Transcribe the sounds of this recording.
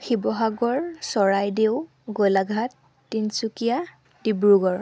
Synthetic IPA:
xibɔɦaɡɔɹsɔɹajdew | ɡolaɡʱatː | insukija | dibɹuɡɔɹ

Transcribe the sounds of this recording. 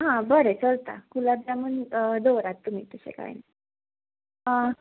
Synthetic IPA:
ɦãbəɾet͡səlt̪a̰kulablamənd̪oʋɾat̪ːum̤iːt̪uɕḛka̰jna

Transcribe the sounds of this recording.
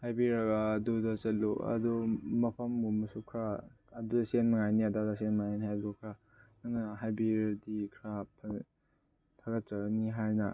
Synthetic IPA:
hajbiɾɐɡaːdudɐt͡ʃɐtluɐ̰dumɐpʰɐmɡumɐsukʰɾa | ɐdudɐsenmɐŋajniadadasenmɐŋajniɦajɡukʰɾa | nanɐɦajbiɾdikʰɾapʰɐ | tʰaɡɐt͡ʃɐɡniɦajnɐ

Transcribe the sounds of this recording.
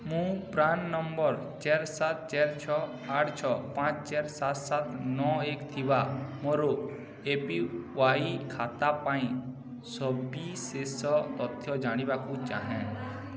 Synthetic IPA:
mũːpɾaːnnɔmbɔɾ | t͡ʃeːɾsat̪̚t͡ʃeɾt͡ʃʰɔ | aʈʰt͡ʃʰɔpãt͡ʃt͡ʃeːɾsat̪sat̪nɔeːkt̪ʰibamɔɾo | epiʋaːikʰaːt̪apãːĩ | sɔbisesɔt̪ɔt̪ʰjɔd͡ʒaːɽ̃ibakũt͡ʃa̰ːɦɛ̃

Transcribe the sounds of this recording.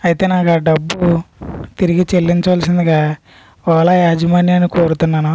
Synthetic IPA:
ɐjit̪e̞ːnaːkɐɖɐbːut̪iɾiɡit͡ʃelːiɲt͡ʃɐʋaːlsind̪iɡa | ɔːlajaːd͡ʒɐmaːnjanːikoːɾut̪unːaːnu

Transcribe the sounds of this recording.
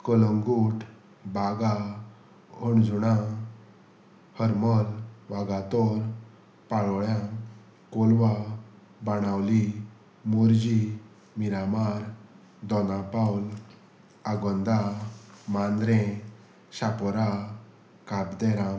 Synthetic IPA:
kɔlɔŋɡuʈ | baɡa | ɔɳd͡zuɽa | həɾmɔlʋaɡat̪ɔɾ | paɭɔɭjã | kolʋa | baɽ̃awli | muɾd͡ʑi | miɾamaɾ | d̪ɔnapawl | aɡɔnd̪amand̪ɾẽ | ɕapɔɾa | kabd̪ɛɾã

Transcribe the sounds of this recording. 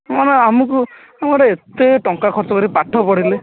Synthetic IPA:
maneamuku | amukɔʈaet̪eʈɔŋkakʰɔɾt͡ʃɔkɔɾipaʈʰːɔpɔɽile

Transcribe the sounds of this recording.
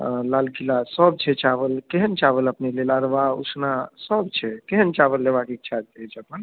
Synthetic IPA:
lalɡilasəb̚t͡ʃʰɛt͡ʃabəlkeɦənt͡ʃabələpnelelaɾbaṵsnasəbt͡ʃʰɛkeɦənt͡ʃabəlːebakik̚t͡ʃʰat͡ʃed͡ʒəpən

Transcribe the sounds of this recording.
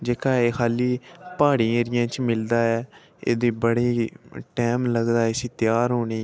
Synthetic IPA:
d͡ʒeːkaːeːkʰaːliːpaːɽĩːɾɪjãːt͡ʃmɪld̪aːɛː | ḛːd̪iːbəɽiːʈɛːmləɡd̪aːɛsiːt̪ɪjaːɾɦoːniː

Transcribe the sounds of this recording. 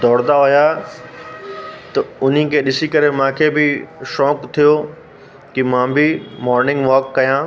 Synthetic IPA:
d̪ɔːɽd̪aɦʊja | t̪ɐʊn̤ĩkʰeɗɪsikɐɾemãːkʰebɪʃɔːkt̪ʰijo | kimãːbɪmɔːɾnɪ̃ŋɡʋɔːkːɐjãː

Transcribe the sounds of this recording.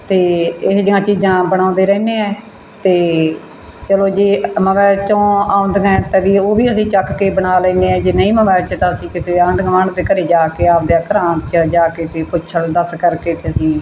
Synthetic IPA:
t̪eːɪsd͡ʒɪãːt͡ʃiːd͡ʒãːbəɽ̃ãːnd̪eːɾɛːneːɛː | t̪eː | t͡ʃəloːd͡ʒeːməʋɛːt͡ʃõːaːʊ̃nd̪ɡɛ̃t̪ɛːʋiːoːbiːəsĩːt͡ʃəkkeːbəɳaːlɛ̃ːneːɛːd͡ʒeːnəĩːməmɛːt͡ʃt̪ãːəsĩːkɪseːəɳɖɡmaːɳd̪eːkəɾeːd͡ʒaːkeːaːp̚d̪jaːkəɾaːt͡ʃəd͡ʒaːkeːt̪eːpʊʃʰəld̪əskəɾkeːt̪ʰeːəsĩː

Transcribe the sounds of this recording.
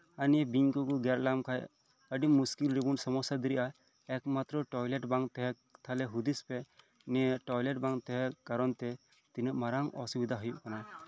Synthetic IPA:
anijebiɲkukuɡɛɾlamkʰaj | əɖimːuskilɾibunsɔmɔsad̪iɾiʔa | ɛkmat̪ɾɔʈɔjlɛʈbaŋt̪ɛɦɛ | t̪ʰalɛɦud̪ispɛ | nɛʈɔjlɛʈ̚baŋt̪ɛɦɛkaɾɔnt̪ɛ | t̪inəʔmaɾaŋɔ̰subid̪ʱaɦujuʔkana

